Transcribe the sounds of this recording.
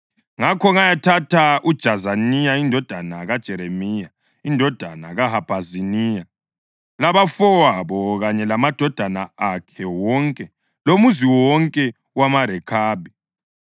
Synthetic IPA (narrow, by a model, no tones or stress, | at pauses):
ŋakʰɔŋajatʰatʰaud̥ʒ̥ʱazanijaindʱɔd̥ʱanaɣad̥ʒ̥ʱɛɾemija | indʱɔd̥ʱa̰na̰ɣaɦab̥ʱazinija | laβafɔwaβɔɣaɲɛlamad̥ʱɔd̥ʱanaakʰɛwɔŋkʼɛ | lomuziwɔŋkʼɛ | wamaɾɛkʰaːbi